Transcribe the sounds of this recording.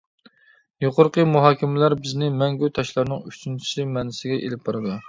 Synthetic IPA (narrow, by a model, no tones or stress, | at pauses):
joqʊɾqʰəmuɦɑːkʲʰɪmɪlæɾbɪznɪmɛŋɡʲut̪ʰɑʃlˠɑɾnɨŋyt͡ʃʰynt͡ʃʰi̥sɪmɛnɪsɪɡʲɛʔḛlɪp̚bɑɾɨd̪ɨ